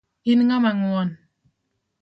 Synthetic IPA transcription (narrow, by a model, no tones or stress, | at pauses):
inŋamaŋuwɔn